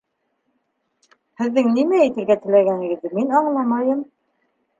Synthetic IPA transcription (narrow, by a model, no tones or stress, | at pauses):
hɘ̆ðːɘŋnimæɘt̪ɘ̆lɡæt̪ɘ̆læɡænɘ̆ɡɘ̆ðːɘminɑɴlˠɑmɑjɤm